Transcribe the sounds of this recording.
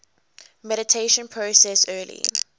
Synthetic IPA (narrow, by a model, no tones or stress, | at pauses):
mɛɾɪtʰeɪʃə̃npʰɹosɛsɜːlḭ